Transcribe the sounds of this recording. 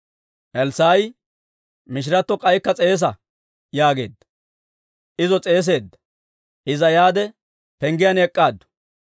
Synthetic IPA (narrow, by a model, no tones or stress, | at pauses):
ʔɛlsaːj | mɪʃ̬ɪɾɐt̪ːɔkʼɐjkːɐt͡sʼe̞ːs̬ɐ | jaːɡe̞̰ːd̪ːɐ̥ | ʔɪzɔt͡sʼe̞ːs̬e̞ːd̪ːɐ̥ | ʔɪzɐjaːd̪ɛ | pɛŋɡɪjɐnɛkʼːaːd̪ːɔ̥